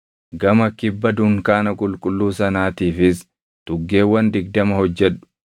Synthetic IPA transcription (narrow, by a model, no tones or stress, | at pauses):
ɡɐmɐkɪbːɐd̪ʊŋkaːnɐkʼʊlkʼʊlːuːsɐnaːt̪iːfɪs | t̪ʊɡːeːwːɐnd̪ɪɡ̚d̪ɐmɐhɔd͡ʒːɛᶑʊ̥